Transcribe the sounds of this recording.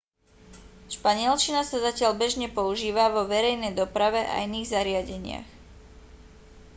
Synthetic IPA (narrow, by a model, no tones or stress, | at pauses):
ʃpaɲɪɛlt͡ʃinasazacɪaʎbɛʒɲɛpɔuʒiːʋaʋɔʋɛɾɛjnɛjd̪ɔpɾaʋɛʔa̰iniːɣzaɾɪaɟɛɲɪa̰x